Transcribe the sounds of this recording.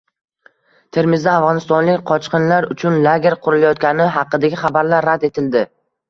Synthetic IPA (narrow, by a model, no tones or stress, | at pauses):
t̪ʰe̞ɾmɪzd̪aːvʁɒnɪst̪ɒnlɪkʲqʰɒt͡ʃqɨnlaɾʊt͡ʃʰʊnlaɡʲeɾqʰʊɾɪlajɒt̪kʲanɪɦɑqːɨd̪aɡʲɪχɑbaɾlaɾːad̪e̞t̪ʰɪld̪ɪ